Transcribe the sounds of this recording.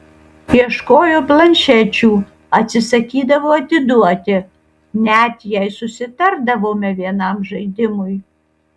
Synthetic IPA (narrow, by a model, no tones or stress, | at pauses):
iɛʃkoːjoblˠɐnʲʃæt͡ʃʲuː | ɐt̪ʲsʲɪsɐkʲiːd̪ɐʋoɐt̪ʲɪd̪ut̪ʲɪ | nʲæt̪ʲjɛjsʊsʲɪt̪ɐɾd̪ɐʋoːmʲɛʋʲiɛnɑmʒɐjd̪ʲɪmʊj